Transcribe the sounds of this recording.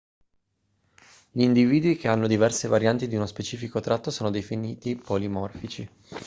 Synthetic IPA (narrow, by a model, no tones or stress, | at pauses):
ʎiːnd̪iviːd̪uik̟eanːod̪ivɛrsevaɾjant̪id̪iunospet͡ʃiːfikot̪ɾat̪ːosoːnod̪efiniːt̪ipolimɔrfit͡ʃi